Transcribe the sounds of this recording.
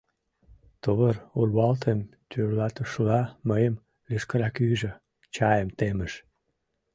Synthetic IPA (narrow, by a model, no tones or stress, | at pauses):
t̪oβərulβɑlt̪ʰemt̪ʰyrlɑt̪əʃlɑməjəm | leʃkəɾɑkyʒø | t͡ɕɑjəmt̪eməʃ